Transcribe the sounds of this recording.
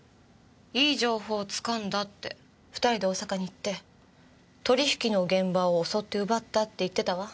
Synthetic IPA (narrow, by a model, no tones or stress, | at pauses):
iːʑo̞ːho̞ːt͡sɨ̥kãnd̪at̪ːe̞̰ | ɸɯ̟̥t̪aɾʲid̪e̞oːsakaɲ̟iːt̪ːe̞ | t̪o̞ɾʲiçi̥kʲino̞ɡẽ̞mbaoːso̞t̪ːe̞ɯ̟bat̪ːat̪ːe̞it̪ːe̞t̪aβa